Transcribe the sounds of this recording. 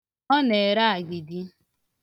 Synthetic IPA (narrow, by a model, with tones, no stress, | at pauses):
ɔ˦ne˨ɾa˦a˨ɡɪ˨di˦